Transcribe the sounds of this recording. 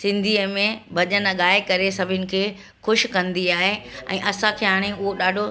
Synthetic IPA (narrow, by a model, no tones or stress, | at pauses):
sɪ̃nd̪ʱiːəmẽbʱɐʄənɠaːɪkɐɾesɐbʱɪnɪ̆kʰeː | xʊʃkɐ̃nd̪iaːɦeɛ̰̃ːʔɐsãkʰeːɦaːɽ̃eʊɦoɗaːɖʱo